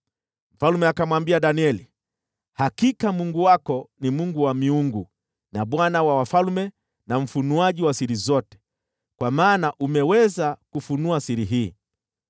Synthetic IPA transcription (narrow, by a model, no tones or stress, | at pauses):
m̩falmɛakamwambiaɗaniɛli | hakikamuŋɡuwakɔnimuŋɡuwamiuŋɡu | naɓwanawawafalmɛ | naɱ̩funuaʄiwasiɾizɔtɛ̥ | kwamaːnaʔumɛwɛzakufunuasiɾiɦiː